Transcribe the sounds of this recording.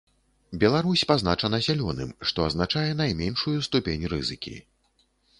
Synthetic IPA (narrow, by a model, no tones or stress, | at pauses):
bʲɛlˠaɾusʲpaznat͡ʂɐnɐzʲalʲɔnɨ̰mʂt̪ɔɐznat͡ʂajɛn̪ajmʲɛnʂujust̪upʲenʲrɨ̰zɨkʲḭ